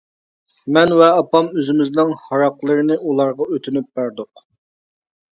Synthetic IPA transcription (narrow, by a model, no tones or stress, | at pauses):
mɛnwɛɑpɑmøzɪmɪznɨŋhɑɾɑqlˠəɾɨnɪʔulˠɑɾʁɑøt̪ʰynyp̚bæɾd̪ʊq